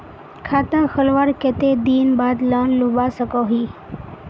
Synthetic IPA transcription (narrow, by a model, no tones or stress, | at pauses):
kʰaːt̪aːxəlʋaːɾket̪eːd̪iːnbaːd̪lanlubaːsəkoːɦiː